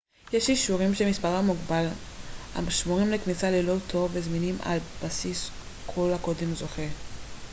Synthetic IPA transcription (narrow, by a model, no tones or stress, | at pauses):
jeʃiʃuʁimʃemispaʁhamuɡbal | ha̰maʃmuʁimleknisalelo̞tʰo̞vvezminimʔa̰lb̥asis | kʰo̞lhakodimzo̞χe